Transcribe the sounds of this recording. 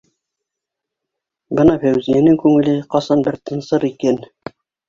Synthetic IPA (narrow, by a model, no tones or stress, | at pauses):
bɤnɑfæwzijænɘŋkʉŋɘ̆lɘqɑsɑnbɘɾt̪ʰɤ̆nsɤɾikæn